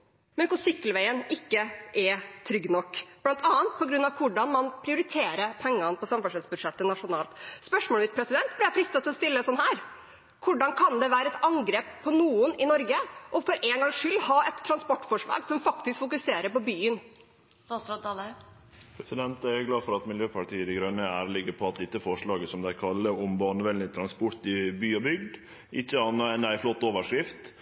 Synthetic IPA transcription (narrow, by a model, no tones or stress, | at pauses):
mœkʊsʏkːəlʋæɪənɪkːəʔɛt̪ʰɾʏɡnɔkːblɑnt̪ʰɑːənt̪̚pʰɔɡɾʉnːɑʋkʰʊɖɑnmɑnpʰɾɪʊɾɪt̪ʰeːɾəpʰɛŋːɑnpʰɔsɑmfɑʂɛsbʉd̪ʂɛt̪ːənɑʂʊnɑːlt̪spœʂmɔːlmɪt̪̚pʰɾɛsɪd̪ɛnt̪̚blɪjæɪfɾɪst̪ɑt̪ʰɪlɔst̪ɪlːəsɔnːhæːɾ | kʰʊɖɑnkʰɑnd̪ɛʋæːɾəɛt̪ɑŋɡɾeːpʰːɔnuːʊnɪnɔɾɡəʔɔfɔɾʔeːŋɡɑŋʂʏlːhɑːɛt̪ʰːɾɑnspɔʈːfɔʂɭɑ̰ːɡsɔmfɑkt̪ɪskfʊkʉseːɾəɾpɔbyːən | sɔt̪ɑlə | pʰɾɛsɪd̪ɛnt̪æɾjʊɡlɑːfɔɾɑt̪mɪljøːpʰɑʈʰiːəd̪ɛɪɡɾœnːəæːɾəlɪɡəpʰɔɑt̪̚d̪ɪt̪ːəfɔʂɭɑːɡəsɔmd̪æɪkʰɑlːəɾʊmbɑːɳəʋɛlnɪt̪ʰɾɑnspʊɾt̪ɪbyːɔbʏɡd̪ | ʔɪçːəɑnːəɛnæɪflɔt̪ːoːʋəʂkɾɪft̪